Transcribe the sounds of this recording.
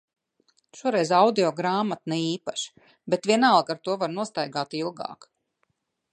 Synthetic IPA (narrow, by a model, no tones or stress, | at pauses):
ʃuɔɾɛjzawd̪iɔɡɾaːmat̪nɛiːpaʃ | bet̪vʲiɛnalˠɡaɾt̪uɔvaɾnuɔst̪ajɡaːt̪ilˠɡa̰ːk